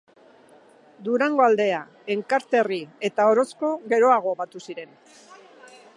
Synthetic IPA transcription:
d̪uɾaŋɡo̞ald̪e̞a | e̞ŋkaɾt̪e̞rie̞t̪ao̞ɾo̞sko̞ɣe̞ɾo̞aɣ̞o̞βat̪usiɾe̞n

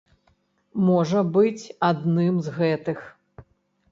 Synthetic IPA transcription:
mɔʐɐbɨt͡sʲad̪nɨmzɣɛt̪ɨx

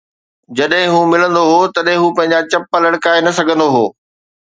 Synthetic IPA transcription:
d͡ʑɐɗɦɪ̃ɦũːmɪlə̃nd̪oɦot̪ɐɗɦɪ̃ɦũpɐ̃ɦɪ̃ɲd͡ʑat͡ɕɐpːəlɐɽkaːenɐsɐɡʱə̃nd̪oɦoː

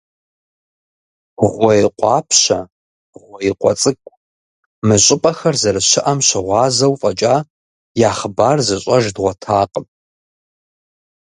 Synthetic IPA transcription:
ʁʷɔjqʷʼɑːpʰɕɐ̰ | ʁʷɔjiqʷʼɔt͡sʼɨkʷʼ | mɨɕʼɪpʼɐxɐrzɐɾɨʃɪʔɐmɕɪʁʷɑːzɐwfʼɐt͡ʃʼaː | jaːχəbaːrzɨɕʼɐʒdʁʷɔtʰaːqʼəm

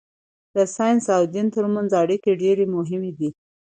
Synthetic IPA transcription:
d̪əsɑjnsawd̪int̪əɾmanzɑɽikeɖeɾemʊɦɪmed̪i

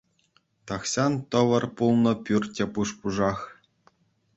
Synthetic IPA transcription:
t̪ɑχɕɑnt̪ɤ̆ʋɤ̆rpulˠnɤ̆pʲyrʲtʲepuʂpuʐɑχ

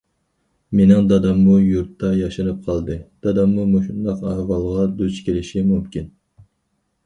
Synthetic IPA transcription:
menɪŋd̪ɑd̪ɑmːujuɾt̪ːɑjɑʃɨnɨp̚qʰɑlˠd̪ɨd̪̥ɑd̪ɑmːumoʃund̪ɑqæhvɑlˠʁɑd̪øt͡ʃkʲʰelɪʃimumkʲin

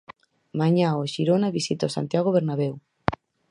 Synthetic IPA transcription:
maɲaoʃiɾonaβisit̪aosa̰nt̪jaɣ̞oβeɾnaβew

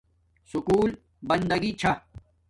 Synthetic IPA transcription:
sukuːl | bɐnd̪ɐɡit͡ɕʰɐ

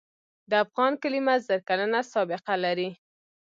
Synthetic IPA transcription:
d̪əafɣɑnkəlimazəɾkalənasɑbɪqalaɾi

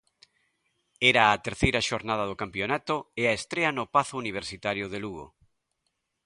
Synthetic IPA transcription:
ɛɾaːt̪eɾθejɾaʃoɾnað̞ɐð̞okampjonat̪oeaest̪ɾeɐnʊpaθʊuniβ̞eɾsit̪aɾjʊðeluɣo̰

